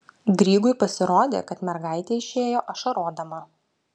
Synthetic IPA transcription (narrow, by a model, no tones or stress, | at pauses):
ɡɾʲiːɡʊɪpɐsʲɪɾoːd̪ʲḛkɐt̪mʲɛɾɡɑˑɪt̪ʲeɪʃʲeːjoːʔɐʃɐɾoːd̪ɐmɐ